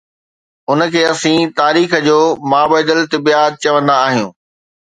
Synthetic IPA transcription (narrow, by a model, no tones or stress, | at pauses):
ʊnə̆kʰeːɐsĩt̪aːɾiːxəd͡ʑoːmaːbaːd̪əlt̪ɪbijat̪̚t͡ɕɐʋə̃nd̪aːɦijṵ̃ː